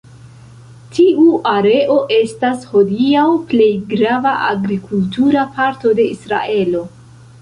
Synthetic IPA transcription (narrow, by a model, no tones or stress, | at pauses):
tʰiuʔaɾe̞ʔo̞ʔe̞stasho̞diawple̞jɡɾavaʔa̰ɡɾikʰultuɾapaɾto̞de̞isɾa̰ʔe̞lo̞